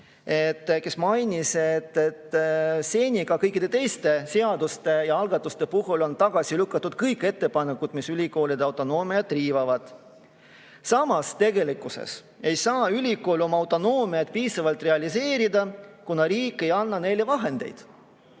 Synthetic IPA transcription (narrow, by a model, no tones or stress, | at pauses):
e̞t̪ːke̞smɑjnʲiset̪ːet̪ːse̞ːnʲiɡ̥ɑkɤjkːˑid̪̥et̪e̞jst̪e̞seɑd̪ust̪e̞jɑɑlɡ̥ɑt̪ˑːust̪e̞puɦulo̞nt̪ɑɡ̥ɑsʲilykːˑɑt̪ːud̪̥kɤjkːˑe̞t̪ːe̞pɑnekːˑud̪̥misylʲiko̞ːlʲid̪eɑwt̪ːˑo̞no̞ːmiɑt̪ːˑriːvɑvɑd̪̥ | sɑmɑst̪e̞ɡe̞likːˑusḛs | e̞jsɑːylʲikˑo̞ːlʲo̞mɑɑwt̪ːˑo̞no̞ːmiɑt̪̚piːsɑvɑlt̪ˑre̞ɑlʲise̞ːɾid̪ɑkunɑɾiːkːˑe̞jɑnːɑne̞jle̞vɑɦe̞nd̪̥e̞̰jd̪̥